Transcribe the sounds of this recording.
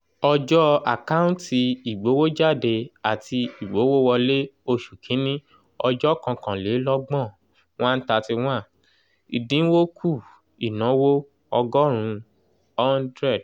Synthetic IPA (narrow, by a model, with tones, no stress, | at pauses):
ɔ˧d͡ʒɔ˦a˨ka˦ũ˦ti˧i˨ɡ͡bo˨˦wo˦d͡ʒa˦˨de˧a˨tʰi˧i˨ɡ͡bo˨˦wo˦wɔ˧le˦o˧ʃu˨kʰĩ˨˦nĩ˦ | ɔ˧d͡ʒɔ˦kã˧kã˨le˨˦lɔ˦ɡ͡bɔ̃˦˨ | w̃ã˦n̩˦ta˧ti˧w̃ã˦˨ | ḭ˨dĩ˨˦wo˦kʰu˦˨ | i˨nã˨˦wo˦ | ɔ˧ɡɔ˦ɾ̃ũ˨˧ | ɔ˦ndɾɛ˦˨d